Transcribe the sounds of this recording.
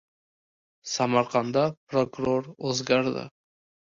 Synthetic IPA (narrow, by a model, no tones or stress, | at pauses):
sɑmɑɾqɑnd̪ɑpɾokuɾoɾɵzɡaɾd̪ɪ̰